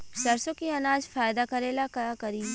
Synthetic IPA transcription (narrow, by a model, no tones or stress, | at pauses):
ʃɐɾsõkiɐnaːd͡ʒfaːjd̪akɐɾeːlakɐkɐɾiː